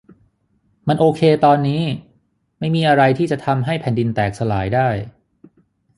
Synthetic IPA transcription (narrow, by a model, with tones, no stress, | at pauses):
ma˧nʔoː˧kʰeː˧t̪ɔː˧nːiː˦˥ | ma˥˩jmiː˧ʔa˧ɾa˧jt̪ʰiː˥˩t͡ɕa˨˩t̪ʰa˧mɦa˥˩jpʰɛː˩˦ndi˧nt̪ɛː˨˩k̚sa˧laː˩˦jdaː˥˩j